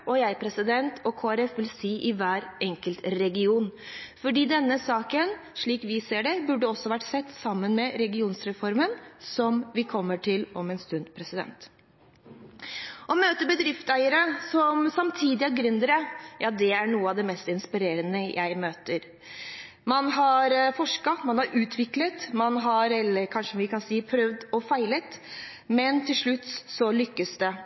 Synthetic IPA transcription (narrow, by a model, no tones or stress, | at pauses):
ɔjæɪpʰɾɛsɪd̪ɛnt̪ʰɔkʰoːæɾɛfʋɪlsiːʔɪʋæːɾɛŋkəlt̪ɾɛɡɪuːnfɔɖiːd̪ɛnːəsɑːkənʂɭiːkʋɪseːɖɛbʉɖəɔsːɔʋæʈsɛt̪ːsɑmːənmɛɾɛɡɪuːnsɾɛfɔɾmənsɔmʋɪkʰɔmːəʈʰɪlɔmɛnst̪ʉnd̪pʰɾɛsɪd̪ɛ̰nt̪ | ɔmøːt̪əbəd̪ɾɪft̪æɪəɾəsɔmsɑmt̪ʰiːd̪ɪɑɡɾʏnd̪ɾəjʔɑːd̪ɛæɳuːəɑʋd̪ɛmɛst̪ɪnspɪɾeːɾənəjʔæɪmøːt̪əɾ | mɑnɦɑɾfɔʂkɑmɑnhɑɾʉːt̪ʰʋɪklət̪mɑnɦɑɾɛlːəɾkʰɑnʂəʋɪkɑnsiːpʰɾœʋd̪ɔfæɪlət̪ | mɛnt̪ʰɪlʂɭʉt̪ːsɔlʏkːəsd̪ɛ